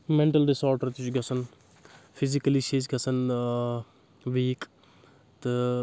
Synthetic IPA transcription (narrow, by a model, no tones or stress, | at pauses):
meɳʈɐlɖisoːɾʈɐɾt̪it͡ʃuɡɐsʰɐn | pʰizikɐliʃeːt͡ʃɡɐsɐn | ʋiːk | t̪ɨ